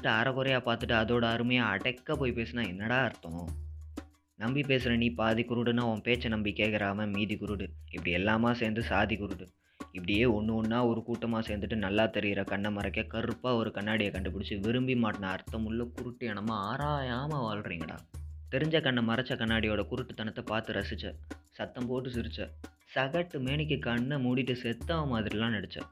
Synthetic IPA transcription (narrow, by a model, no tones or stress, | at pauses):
ʈːɯɐɾɐkɔɾɐjaːpaːɾt̪ɯʈːɯɐðoːɽɐɐɾɯmɐjaːɐɽɛkːɐpoːjpeːsɯnaːɛnːɐɽaːɐɾt̪ːɐ̃ | nɐmbipeːsɪɾɐniːpaːðikʊɾɯɽɯnːaːɔ̃peːt͡ʃːɐnɐmbikːeːkɪɾaːmɐmiːðikʊɾɯɽɯɪpːɐɽɪɛlːaːmaːseːnd̪ɯsaːðikʊɾɯɽɯ | ɪpːɐɽɪjeːɔɳːɯɔnːaːɔɾɯkuːʈːɐmaːseːɾnd̪ɯʈːɯnɐlːaːt̪ɛɾɪjɪɾɐkɐɳːɐmɐɾɐkːeːkɐɾɯpːaːɔɾɯkɐɳːaːɽɪjɐkɐɳɖɯpɪɽɪt͡ʃːɯʋɪɾɯmbimaːʈːɐnɐɐɾt̪ːɐmɯɭːɐkʊɾʊʈːɯɛɳɐmːɐaːɾaːjaːmɐʋaːɭɾiːŋɡɐɽa̰ːt̪ɛɾɪɲd͡ʒɐkɐɳːɐmɐɾɐt͡ʃːɐkɐɳːaːɽɪjoːɽɐkʊɾʊʈːɯt̪ːɐɳɐt̪ːɐpaːɾt̪ɯɾɐsɪt͡ʃːɐ̰sɐt̪ːɐmpoːʈːɯsɪɾɯt͡ʃːɐ | sɐɣɐʈːɯmeːɳɪk̬ːɯkɐɳːɐmuːɽɪʈːɯsɛt̪ːɐɐmaːðɪɾɪlãːnɛɽɯt͡ʃːɛ̰